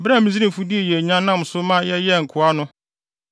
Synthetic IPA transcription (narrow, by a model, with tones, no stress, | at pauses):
bɾa˦˨mĩ˨zi˦ɾĩ˨fu˦di˦ɛ˨jɛ˨ɲã˦nːã˦˨m˨sʊ˦mã˦jɛ˦jɛ˦˨ŋ̩˨kʰʊ˨a˦nʊ̃˦